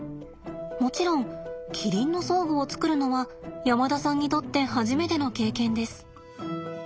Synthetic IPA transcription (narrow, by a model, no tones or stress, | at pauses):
mo̞t͡ɕiɾõ̞ŋkʲʰiɾʲĩnːo̞so̞ːɡoːt͡sɨ̥kɯ̟ɾɯ̟no̞βajamad̪asãɲ̟ːit̪o̞t̪ːe̞ɦaʑime̞t̪e̞no̞ke̞ːkẽ̞nd̪e̞sɨ̥